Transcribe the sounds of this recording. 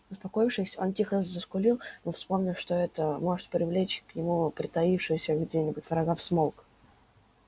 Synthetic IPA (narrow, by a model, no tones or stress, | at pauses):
ʊspɐko̞jɪfʂɨsʲo̞ntʲixəzəskʊlʲilˠnofspo̞mnʲɪlˠʂt̪oɛt̪əmo̞ʐɨt̪̚pɾʲɪvlʲet͡ɕknʲɪmupɾʲɪt̪ɐifʂɨjʊsʲəɡdʲenʲɪbʊtʲvɾɐɡafsmolˠk